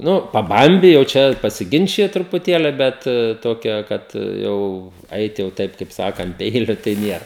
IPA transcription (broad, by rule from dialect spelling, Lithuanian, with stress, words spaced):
ˈnʊ pɐˈbɐmʲbʲɪ jɛʊ ˈt͡ʃʲɛ pɐsʲɪˈɡʲɪnʲt͡ʃʲɪjɪ trʊpʊˈtʲeːlʲɪ ˈbʲɛt ˈtoːkʲɛ ˈkɐt ˈjɛʊ ˈɐɪt jɛʊ ˈtɐɪp kɐɪp ˈsɑːkɐ ɐnt ˈpʲɛɪlʲʊ tɐɪ ˈnʲiɛr